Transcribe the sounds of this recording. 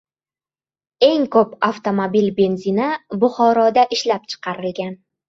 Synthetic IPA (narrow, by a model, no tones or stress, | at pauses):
e̞ŋkʰɵpaft̪ʰo̞mobilbe̞nzinabʊχɒɾɒd̪aʔɪʃlap̚t͡ʃʰɨ̥qʰɑɾɪlɡʲan